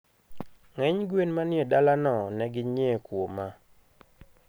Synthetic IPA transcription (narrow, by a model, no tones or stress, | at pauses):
ŋɛɲɡwenmanɪedalanɔnɛɡɪɲekwoma